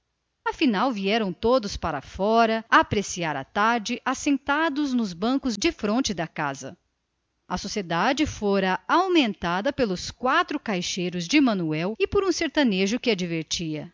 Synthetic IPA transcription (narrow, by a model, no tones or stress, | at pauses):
ɐfinawviɛɾɐ̃w̃t̪od̪ʊspaɾɐ̰fɔɾɐaːpɾesiaɾɐ̰t̪aɾd͡ʒɪʔasẽnt̪ad̪ʊznʊzbɐ̃kʊzd͡ʒɪfɾõnt͡ʃɪd̪ɐka̰zɐ̰ | ɐsosied̪ad͡ʒɪfoɾɐawmẽnt̪ad̪ɐpelʊskwat̪ɾʊkajʃejɾʊzd͡ʒɪmɐ̃nuɛwɪpoɾũseɾt̪ɐneʒʊkɪad͡ʒiveɾt͡ʃiɐ